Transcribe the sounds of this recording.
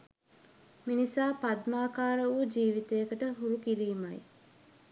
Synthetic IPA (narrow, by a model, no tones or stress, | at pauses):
minisaːpad̪maːkaːɾəʋud͡ʒiːʋit̪ejəkəʈəɦuɾukiɾiːmaj